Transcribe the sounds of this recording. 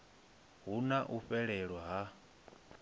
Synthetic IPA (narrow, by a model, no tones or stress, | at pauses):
ɦunaʔuɸɛɺɛɺwaɦa